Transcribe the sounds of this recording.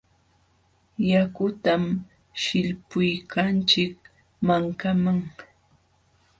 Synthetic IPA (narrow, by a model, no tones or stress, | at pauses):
jakʊt̪am | ʃɪʎpʊjkʰant͡ʃɪk̚ | maŋkamaŋ